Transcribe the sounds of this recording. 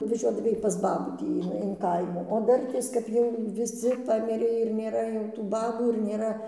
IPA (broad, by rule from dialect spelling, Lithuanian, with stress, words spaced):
nʊʋɐˈʒʲuɔdɐʋɐɪ pɐs ˈbɑːbuː ˈtʲiː ɪn ɪn ˈkɐɪmuː oː ˈdɐrʲtʲeːs kɐp ˈjɛʊ ʋʲɪˈsʲɪ ˈpɑːmʲɪrʲeː ɪr nʲeːˈrɐ jɛʊ tuː ˈbɑːbuː ɪr nʲeːˈrɐ